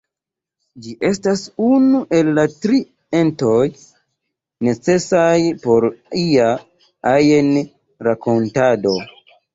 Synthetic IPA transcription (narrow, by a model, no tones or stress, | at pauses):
d͡ʒiʔe̞stasunuʔe̞lːatɾi | entoj | ne̞t͡se̞sajpo̞ɾia | ajen | ɾako̞ntado̞